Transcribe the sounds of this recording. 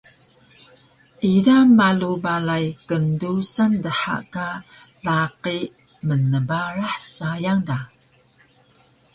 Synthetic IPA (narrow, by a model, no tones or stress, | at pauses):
ʔidamalubalajkəndusandəħa̰kalaqi | mənəbaɾaħsajaŋda